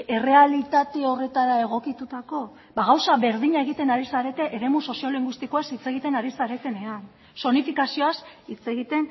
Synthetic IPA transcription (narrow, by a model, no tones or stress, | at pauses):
e̞re̞alit̪at̪e̞o̞re̞t̪aɾae̞ɣ̞o̞kit̪ut̪ako̞ | baɣawsaβe̞ɾðiɲae̞ɣ̞it̪enaɾisaɾe̞t̪eʔeɾe̞muso̞sioliŋɡwist̪iko̞asit͡se̞ɣ̞it̪e̞naɾisaɾe̞t̪e̞ne̞an | so̞nifikasio̞asit͡se̞ɣit̪e̞n